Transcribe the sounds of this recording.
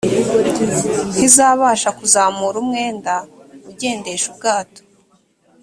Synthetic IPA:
n̥hizaːβaʃakuzaːmuɾumŋe̞ːndauɟe̞ːnde̞ʃub̚ɡaːto̥

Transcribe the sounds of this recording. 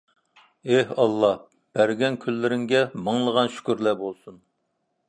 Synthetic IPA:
ehɑlˠːɑ | b̥æɾɡʲɛnkʲʰylːɪɾɪŋɡʲɛməŋlˠəʁɑnʃy̥kʲyɾlɛbolˠsun

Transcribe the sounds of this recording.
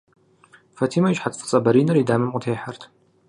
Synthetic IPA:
fɐtʰiːmɐiʒħat͡sʼfʼɨ̥t͡sʼɐbɐɾiːnɐɾidaːmɨmʔʷʼʊtʰeːħartʰ

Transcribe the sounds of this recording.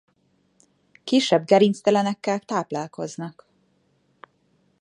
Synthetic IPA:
kiʃɛbɡɛɾinst̪ɛlɛnɛkːɛlt̪aːplaːlko̞znɒk

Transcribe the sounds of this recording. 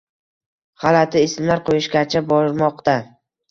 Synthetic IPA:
χalat̪ʰɪɪsmlaɾqʰojɪʃɡʲat͡ʃʰabɒɾmɒqt̪a

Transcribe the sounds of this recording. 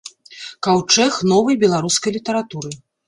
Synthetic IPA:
kawt͡ʂɛxnɔvɐjbʲɛlˠaɾuskɐjlʲit̪ɐɾat̪uɾɨ

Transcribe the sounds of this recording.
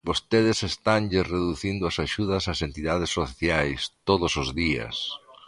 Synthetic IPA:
bost̪eðɪsest̪anʎɪsreðuθind̪ʊasaʃuðɐsasent̪iðað̞esːoθjajst̪oðʊsozðiɐ̰s

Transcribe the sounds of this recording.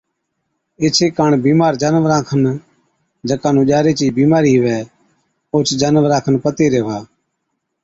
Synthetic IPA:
ɪt͡ʃʰeːkaːɳbiːmaːɾd͡ʒənʋɾãːkʰən | d͡ʒəkãːnũːʄaːɾeːt͡ʃiːbiːmaːɾiːɦʋɛː | oːt͡ʃd͡ʒaːnʋɾãːkʰənpət̪eːɾeːʋaː

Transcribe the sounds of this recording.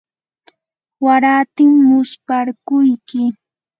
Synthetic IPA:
waɾaːt̪ɪŋːʊspaɾkʊjkɪ

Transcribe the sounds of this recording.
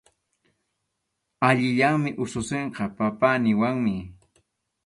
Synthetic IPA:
aʎɪʎaŋmɪʔʊsʊseɴqɑpapanɪwaŋmɪ

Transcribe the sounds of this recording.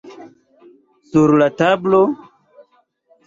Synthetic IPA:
suɾlatablo

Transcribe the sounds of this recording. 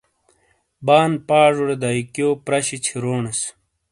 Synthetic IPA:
baːnpaːʐuɾed̪aikjoːpɾɐɕit͡ɕʰiɾoːnɐs

